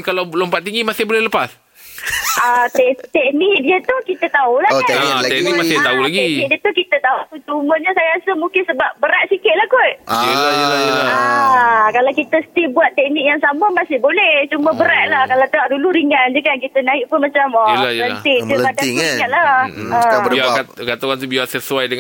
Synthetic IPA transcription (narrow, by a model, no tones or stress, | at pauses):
kalalompaʔt̪iŋɡimasɪhbolɛhləpas | ʔat̪ɛt̪ɛk̚nik̚diət̪uhkit̪ət̪aulaɛknikmasɪht̪aulaɡ̪ɛknik̚diət̪ukit̪ət̪aup̪ut̪umənɲasajaasəmũŋkɪnsəbap̚bəɾaʔ̚sikɪt̪̚lahkot̚əlajəlajəla | kalawkit̪əsə̥t̪ilbuat̪ːɛk̚nik̚jaŋsaməmasɪhbolɛht͡ʃuməbəɾaʔ̪̚lahkalat̪əaʔduluɾiŋand͡ʒəkankit̪ənãɪʔ̚pənmat͡ʃamalajənt̪ɪdəbadakaʔ̪̚laəbakat̪okant̪ubiasəsuajdəŋ